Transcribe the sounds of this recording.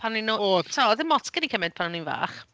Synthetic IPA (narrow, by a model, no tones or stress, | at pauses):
pʰanninooːtʰɔðɪnmɔtkənikʰəmɪd̥̚pʰanɔninva̰ːχ